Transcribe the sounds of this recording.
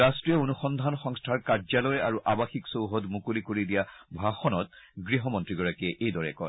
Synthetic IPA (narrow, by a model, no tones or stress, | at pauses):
astɹijɔonuxɔnd̪ʱanxɔŋstʰaɹkaɹzalɔjɛaɹuʔabaxiksowɦɔdmukulikoɹidijabʱaxɔnɔtɡɹiɦɔmɔntɹiɡɔɹakɛʔejdɔɹɛkɔ̰j